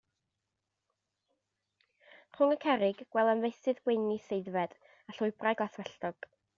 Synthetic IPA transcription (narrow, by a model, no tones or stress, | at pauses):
χʊŋəkʰɛɾɪɡwɛlˠənvejsɨðɡwejnisejdvɛd | aɬʊɨbrajɡɔaaθwɛɬtɔɡ̥